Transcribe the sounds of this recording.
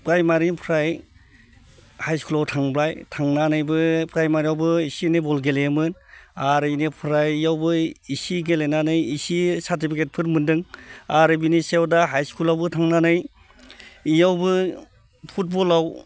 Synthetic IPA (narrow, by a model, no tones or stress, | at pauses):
pɾajmaɾinpʰɾaj | hajskulawtʰaŋbɾajtʰaŋnanɯjbɯpʰɾajmaɾiawbɯisinibɔlɡelemɯnaɾɯnipʰɾajijawbɯisiɡelenanɯjisisaɾt̬ipʰiket̚pʰɯɾmɯndɯŋaɾɯbinisewdaɦajskulawbɯtʰaŋnanɯj | ijawbɯ | pʰut̚bɔlaw